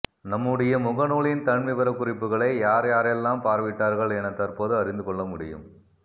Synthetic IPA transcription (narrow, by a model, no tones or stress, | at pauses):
nɐmːɯɽɐjɐmʊɣɐnuːɭɪnt̪ɐɳʋɪʋɐɾɐkːʊrɪpːɯɣɐɭɐɪjaːɾjaːɾɛlːaːmpaːɾʋɪʈːaːɾɣɐɭɛnɐt̪ːɐɾpoːðɯɐɾɪnd̪ɯkɔɭːɐmʊɽɪjɯ̰m